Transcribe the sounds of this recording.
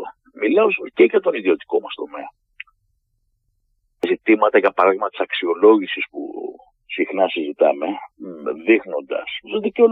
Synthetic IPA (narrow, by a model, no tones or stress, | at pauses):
milɐozceʝɐt̪o̞niðio̞t̪i̥ko̞mɐst̪o̞me̞ɐ | zit̪imɐt̪ɐʝɐpɐɾɐðiɣmɐt̪i̥sɐksio̞lo̞ʝisispṵ | sixnɐsizit̪ɐme̞ðixno̞nd̪ɐ̰ssoðiceo